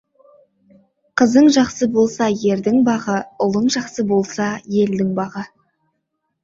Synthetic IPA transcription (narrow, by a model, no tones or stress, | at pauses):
qʰəzəɴʒɑqsəbo̞lˠsɑje̞ɾd̪ɪŋbɑʁəʊlˠəɴʒɑqsəbo̞lˠsɑje̞ld̪ɪŋbɑʁə